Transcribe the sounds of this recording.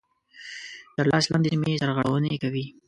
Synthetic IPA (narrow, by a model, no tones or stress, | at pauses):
t̪əɾlɑslɑnd̪ed͡ʒmesaɾɣaɽa̰wənekawi